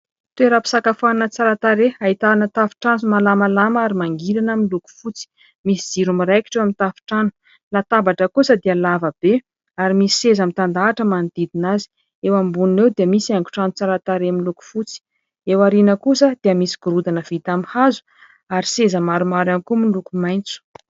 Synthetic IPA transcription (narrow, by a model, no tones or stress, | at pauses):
t̪weɾapi̥sakafannət͡saɾat̪aɾeait̪anət̪afi̥ʈ͡ʂansumalamalamaɾimaŋɡilanamiluku̥fut͡si̥ | misid͡ziɾumiɾajki̥ʈ͡ʂewamit̪afi̥ʈ͡ʂanu̥ | lat̪abaʈ͡ʂəkusəd̪eəlavəb̥e | aɾimisi̥sezamit̪and̪aːʈ͡ʂəmanid̪̥id̪inazi̥ | ewambunnewd̪eəmisiaŋɡu̥ʈ͡ʂanut͡saɾat̪aɾemiluku̥fut͡si̥ | ewaɾinəkusəd̪̥eiəmisi̥ɡ̥uɾud̪anəv̥it̪amihazu̥ | aɾisezəmaɾumaɾanikumilukumajnt͡su̥